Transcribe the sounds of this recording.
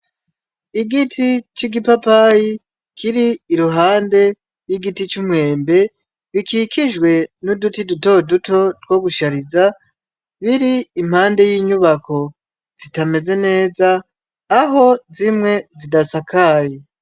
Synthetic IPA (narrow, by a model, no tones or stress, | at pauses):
iɡitʰit͡ʃiɡipapaji | kʰiɾiːɾuɦaːnde̞ | jiɡitit͡ʃumŋe̞ːmbe̞ | βikikiʒɡwe̞nudutiduto̞duto̞tɡwo̞ɡuʃaɾiza | βiɾiːm̥haːnde̞jiːɲuβako̞ | z̥itame̞ze̞ne̞ːzaː | ɦo̞zimŋe̞zidasakʰaːje